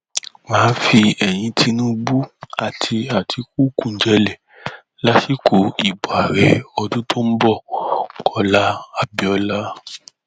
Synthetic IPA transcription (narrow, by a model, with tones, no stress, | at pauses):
mãː˨˦fi˧ɛ˨j̃ĩ˧tʰi˧nũ˦bu˦a˨tʰi˧a˨tʰi˧ku˦kũ˨d͡ʒɛ˧˦lɛ˨ | la˦si˦˨kʰo˨˦i˨ba˨ɾɛ˨ɔ˧dũ˦tʰo˦m̩˦bɔ˦˨kʰɔ˧la˦a˦bi˦ɔ˧la˦